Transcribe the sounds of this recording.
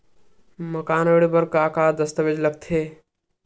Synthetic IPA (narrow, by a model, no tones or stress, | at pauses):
məkaːneɽibəɾkakad̪əst̪əbed͡ʒləɡ̚t̪ʰe